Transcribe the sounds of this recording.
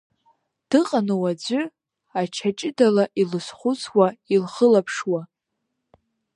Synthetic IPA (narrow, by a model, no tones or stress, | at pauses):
d̥ɨqʼanɨwad͡ʒʷʏ | at͡ʃʰat͡ʃʼɪdalaʔilɨsχʷʊt͡sʰwailχəlapʰʂwa